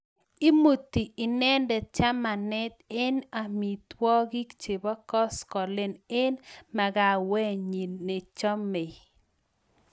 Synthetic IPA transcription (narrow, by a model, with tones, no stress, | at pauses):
i˦mu˨t̪ːi˨ɪ˨nɛ˦ndɛ˨t͡ʃa˦ma˨nɛ˦t̪e˦na˨mi˨t̪wɔ˦ɡi˦kt͡ʃe˨bɔ˦kɔ˦skɔ˨le˦ne˦nma˨ɡa˨wɛ˦ɲi˨nːe˨t͡ʃɔ˦me˨